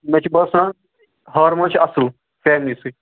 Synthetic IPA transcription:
mɛt͡ʃʰbɐsãː | ɦaːɾmɐt͡ʃʰɐsl | fɛːmliːsɨ

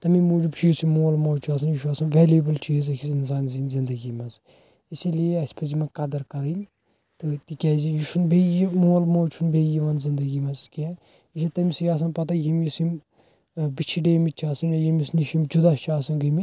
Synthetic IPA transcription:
t̪ɐmimuːd͡ʒibt͡ʃʰijsimoːlmoːt͡ʃʰaːs̬ɐnjuʃaːsɐnʋeːljubɨlt͡ʃʰiːzɐkʰisins̬aːnzinzind̪ɐɡimɐz | isilieɐsʲpʰɐzimɐkɐd̪ɐɾkɐɾinʲ | t̪ɨt̪ikʲɛːzijuʃunbejimoːlmoːt͡ʃʰunbejiʋɐnzind̪ɐɡimɐzkɛ | iʃ̬it̪ɐmisjaːs̬ɐnpɐt̪ɐjimjisim | bit͡ʃʰiɖeːmit͡ʃʰaːsɐnjajimisniʃimd͡ʒud̪at͡ʃʰaːsɐnɡɐmi

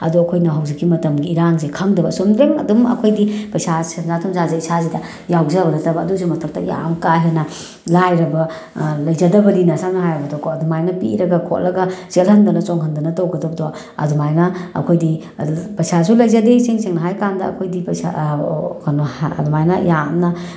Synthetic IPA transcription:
ɐ̰duɐkʰojnɐɦɐwzikːimɐtɐmɡiːɾaŋzekʰɐŋdɐbɐsomdɾeŋɐ̰dumɐ̰kʰojdipɐjsasenzatʰumzazaisazidɐ | jawzɐbɐnɐtɐbɐːdus̬umɐtʰɐk̚tɐ̰ja̰mkaɦenɐ | lajɾɐbɐ | lɐjzɐdɐbɐlinɐsamnɐɦajɾɐbɐdɔkʰɔɐdumajnɐpḭɾɐɡɐkʰo̰t̚lɐɡɐzelɦɐndɐnɐt͡ʃoŋɦɐnd̪ɐnɐtɐwɡɐdɐbdɔ | ɐ̰dumajnɐɐ̰kʰojdi | pɐjsʰas̬ʰulɐjzɐdeseŋseŋnɐɦajkandɐɐ̰kʰojdipɐsa̰kʰɐna̰dumajnɐja̰mnɐ

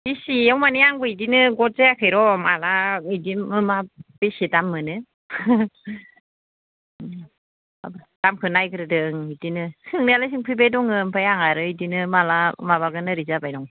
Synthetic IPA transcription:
bisiawmaniaŋbɯidinɯɡɔt̚zeakʰɯjɾɔmalaŋidimɯmabisidamːɯnɯ | a̰bd̥amkʰɯnajkɯɾɯdɯŋidinɯsɯŋnalajs̬ɯŋpʰibejdɔŋɯmpʰajaŋaɾɯidinɯmalamaβaɡɯnɯɾizabajdɔŋ

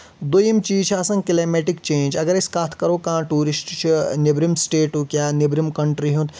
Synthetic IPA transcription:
d̪ojimt͡ʃiːt͡ʃʰasɐ̃ŋɡkileːmeːʈikt͡ʃeːnʲd͡ʒɐɡɐɾeskaːt̪ʰkɐɾoːkãːʈuːɾisʈt͡ʃʰinebɾimsʈeːʈukʲjaːnebɾimkɐɳʈɾiɦũnt̪

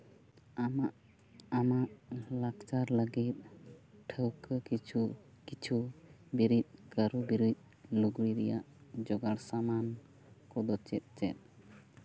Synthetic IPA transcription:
amaʔ | amaʔlakt͡ʃaɾləɡit̪̚ʈʰəwkəkit͡ʃʰu | kit͡ʃʰubiɾit̪̚ˀkəɾubiɾit̪̚ˀ | luɡɽiɾɛjaʔd͡ʒɔɡaɽsaman | kɔd̪ɔt͡ʃɛt̪̚ˀt͡ʃɛ̰t̪̚

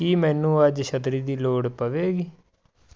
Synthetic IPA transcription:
kiːmɛ̃ːnũːəd͡ʒʃʰət̪ɾiːd̪iːloːɽpəʋeːɡiː

